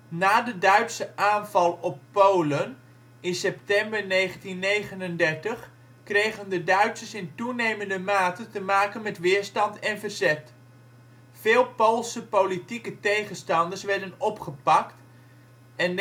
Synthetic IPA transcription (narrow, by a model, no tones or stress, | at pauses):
naːdədœɥtsəʔaːnvɑlˠɔpːowlən | ɪnsɛp̚tɛmbəɹnejχəntinːejχənəndɛɹtəχ | krejχəndədœɥtsəsɪntunejməndəmaːtəntəmaːkənmɛtʋɪːɹstɑntɛnvərzɛt | fɪːlˠpowlˠsəpowlitikətejχənstɑndəɹsʋɛɹdənɔpχəpɑkt | ɛn